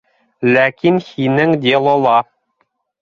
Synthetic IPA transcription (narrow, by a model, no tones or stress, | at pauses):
lækinhinɘŋd̪ʲelˠolˠɑ